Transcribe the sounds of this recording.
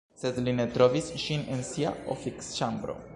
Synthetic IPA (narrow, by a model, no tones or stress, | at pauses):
sezlinet̪ɾovisʃinensia̰ofikst͡ʃambɾo̰